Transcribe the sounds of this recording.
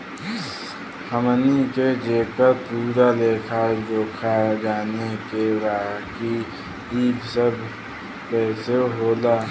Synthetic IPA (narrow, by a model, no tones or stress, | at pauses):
hʰəmniked͡ʒeːkəɾpuːɾaleːkʰaɾoːkʰad͡ʒaːnekeɾaːɦki | iːbsəb | pɛːseɦoːlaː